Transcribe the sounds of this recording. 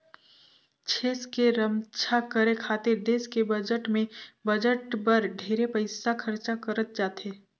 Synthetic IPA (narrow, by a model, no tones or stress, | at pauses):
t͡ʃʰeːskeɾəmt͡ʃʰakəɾekʰaːt̪ɪɾd̪eːskebəd͡ʒəʈmẽbəd͡ʒəʈbəɾɖʱeːɾepəɪsakʰɐɾt͡ʃakəɾət̪̚d͡ʒaːt̪eː